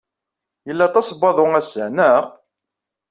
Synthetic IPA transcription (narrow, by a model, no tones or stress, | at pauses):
jəlːɑt̪ˤɑsbɑðˤoæsəʕnəʁ